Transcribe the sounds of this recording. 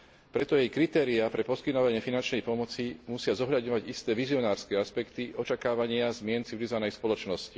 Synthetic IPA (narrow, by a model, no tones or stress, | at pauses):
pɾɛt̪ɔjɛjkɾit̪ɛːɾiapɾɛpɔskit̪nɔʋaɲɪɛfinant͡ʃnɛjpɔmɔt͡simusɪazɔɦʎad̪ɲɔʋaɟist̪ɛːʋiziɔnaːɾskɛːaspɛkt̪iʔɔt͡ʃakaːʋaɲɪazmɪɛnt͡siʋilizɔʋanɛjspɔlɔt͡ʃnɔsci